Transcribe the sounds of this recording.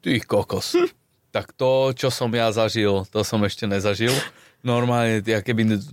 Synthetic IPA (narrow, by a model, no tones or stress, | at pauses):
t̪iːxkɔkɔs | t̪akt̪ɔt͡ʃɔsɔmjazaʒilt̪ɔsɔmɛʃcɛnɛzaʒil | nɔɾmaːlɲɛjakɛbi